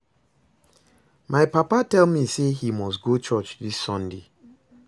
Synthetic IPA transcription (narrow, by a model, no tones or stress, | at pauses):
majpapatɛlmisehimɔstɡot͡ʃɔt͡ʃdisːɔ̃nde